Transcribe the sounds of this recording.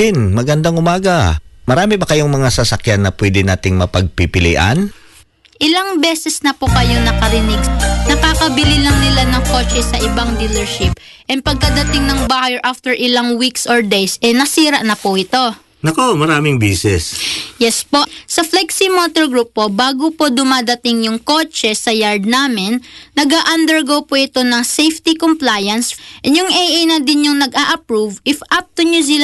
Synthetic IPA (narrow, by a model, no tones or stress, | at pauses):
ɪnmɐɡɐnd̪aŋʊmaːɡɐmɐɾaːmɪbɐkɐjoŋmɐŋasɐsɐkjanːɐpwɛd̪ɪnaːt̪ɪŋmɐpɐɡ̚pɪpɪlḭʔa̰n | ʔɪlaŋbɛːsɛsnɐpokɐjo̞nɐkɐɾɪnɪɡnɐkaːkɐbɪlɪlɐŋnɪlanɐŋko̞ːt͡ʃɛsɐʔɪbaŋd̪ilɛɹʃɪp̚ʔɛnpɐɡ̚kɐd̪ɐt̪ɪŋnɐŋbahjɛɹʔaft̪ɛɹʔɪlaŋwiksʔoɹd̪ejsʔɛnɐsiːɾɐʔnɐpʊʔɪt̪o̞ | nɐkomɐɾaːmɪŋbḭːsɛ̰sjɛspo̞sɐflɛksimoːt̪oɹɡɹuːpːo̞baːɡopo̞d̪ʊmaːd̪ɐt̪ɪŋjʊŋko̞t͡ʃɛsɐjaɹd̪̚naːmɪnːɐɡaʔɐnd̪ɛɹɡowpoʔɪt̪o̞nɐŋsejft̪ikomplajɐnsʔɛnjʊŋʔɛjʔajnɐd̪ɪnɲʊŋnɐɡaːʔɐpɹuvʔɪfʔap̚t̪oɲos̬ɪl